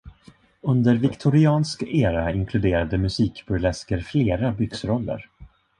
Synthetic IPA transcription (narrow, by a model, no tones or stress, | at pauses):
ɵnd̪əɾvɪkt̪ʰʊɾɪɑːnskeːɾaɪŋkʰlɵd̪eːɾad̪əmɵsiːkbɵlɛskəɾfleːɾabʏksɾɔlːə̰ɾ